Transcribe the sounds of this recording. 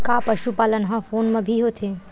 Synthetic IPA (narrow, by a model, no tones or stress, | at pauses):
kaːpɐʃupaːlənɦãfoːnmẽbʱiɦoːt̪ʰeː